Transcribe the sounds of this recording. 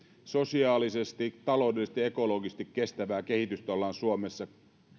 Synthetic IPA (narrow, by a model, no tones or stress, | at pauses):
so̞siɑːlisest̪it̪ɑlo̞ˑudesest̪ie̞ko̞lo̞ːɡisest̪ikːe̞st̪æʋæːke̞hit̪yst̪ɑlːɑnsuomesːɑ